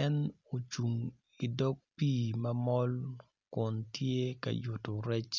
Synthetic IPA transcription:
ɛ˦no˨t͡ʃu˨ŋ | i˨dɔ˦k̚piː˦˨mɐ˦mɔ˦l | kʊ˨ntje˦ka̰˨jʊ˨to˨ɾɛ˦t͡ʃ

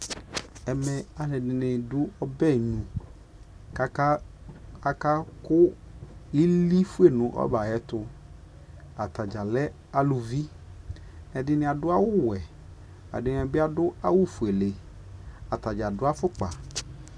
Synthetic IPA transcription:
ɛ˨mɛ˧a˨nɛ˨dɪ˨nɪ˨dʊ˦ɔ˦bɛ˦˨ɲũ˨ | k | a˦ka˦kʊ˦ | i˦li˦fu˦e˦˨nʊ̃˨˦ʔɔ̰˦ba˨ɛ˨t̪ʊ˧ | a˨ta˨d͡ʒa˨lɛ˦ | a˨lu˧vi˦ | nɛ˨dɪ˧nɪ̃˧˦a˨dʊ˦a˦wʊ˦wɛ˨ | a̰˨dɪ˨n˨ɛ˨bɪ˦a˨dʊ˦a˦wu˦fu˨e˨le˨ | a˨t̪a˨d͡ʒa˨dʊ˦a˦fʊ˦k͡pa̰˨

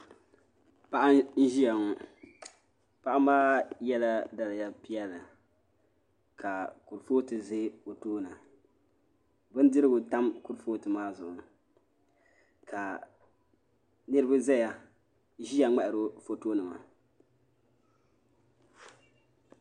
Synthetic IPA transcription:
pa˦ʔa˦n̩˦ʒi˦ja˨ŋɔ˦ | pa˦ʔa˦m˦aː˦jɛ˦la˦da˦la˨ja˦pi˦jɛ˦lɨ˨ | kʰa˨ku˨ɾfoː˦tɨ˨ze˦o˨toː˦na˨ | bʊ˦n˦dɨ˦ɾɨ˦ɡʊ˨ta˦mku˨ɾfoː˦tɨ˨maː˦zʊ˨ʔʊ˨ | kʰa˨ | nɨ˦ɾɨ˦ba˦zɛ˦ja˨˦ | ʒi˦ja˨ŋ͡mɛ˦˨ʔɪ˨ɾo˦fo˨toː˦nɨ˨ma̰˨

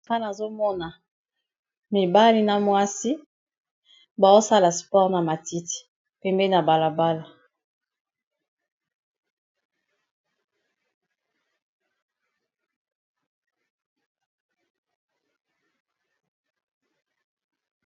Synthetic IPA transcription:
a˦na˨zo˦mɔ˦na˨ | mi˨ba˦li˦na˦mwa˦si˦ | ba˨o˦sa˦la˨spɔ˦ʁna˨ma˨ti˦ti̥˨ | pe˦mbe˦na˨ba˨la˨ba˦la˨

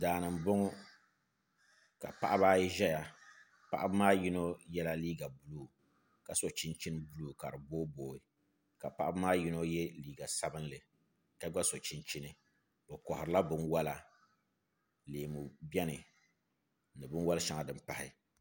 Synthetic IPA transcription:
daː˨nɨ˨m̩˨bo˦ŋɔ˦ | ka̰˨pa˦ʔa˦baː˦jʒɛ˦ja˨ | pa̰˦˨ʔa˦ba˦maː˦ji˦no˦jɛ˦la˦liː˦ɡa˨bu˦luː˨ | ka˨so˨t͡ʃi˦nt͡ʃi˦n˦bu˦luː˨ka˨ɾɨ˨boː˦boː˦˨ɪ˦ | ka˨pa˦ʔa˦ba˦maː˦ji˦no˦jɛ˦liː˦ɡa˨sa˦bɨ˦nlɨ˨ | ka˨ɡʷa˦so˨t͡ʃi˦nt͡ʃi˦nɨ˨ | bɛ˨kɔ˨hʊ˨ɾɨ˨la˦bɨ˦nwa˦la˨ | leː˨mu˨bɛ˦nɨ˨ | nɨ˨bɨ˦n˦wa˦lʃa˨ŋa˨dɨ˨m˦pa˨hɪ̰˦

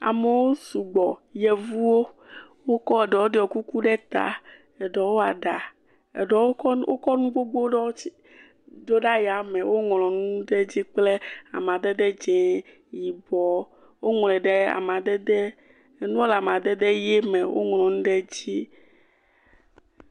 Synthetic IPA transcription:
a̰˨me˨wo˦su˨ɡ͡bɔ˨jɛ˨vu˦wo˦ | wo˦kɔ˦e˨ɖɛ˨wo˦ɖɛ˨˦ɔ˨ku˦ku˦ɖɛ˦t̪a̰˨ | ɛ˨ɖɔ˨wo˦a˨ɖa˨ | ɖwo̰˦kɔ˦nũ˦ɡ͡bo˦ɡ͡bo˦ɖɔ˦i˦ | d̪o˦ɖa˦ja˨me˨wo˦ŋ˨lɔ̃˨nũ˦ɖe˦d͡ʑi˦k͡ple˦a̰˨m˨ã˨d̪ɛ˦d̪ɛ˦d͡ʒɛ̃˨ | ji˨bɔ˦ | wo˦ŋɔ̃˨lɛ̃˨ɖe˦a̰˨m˨ã˨d̪ɛ˦d̪ɛ˦˨ | nũ˦o˦la˨m˨ã˨d̪ɛ˦d̪e˦jɛ˦mɛ˨wo̰˦ŋ˨lɔ̃˨nũ˦ɖe˦d͡ʑi˦

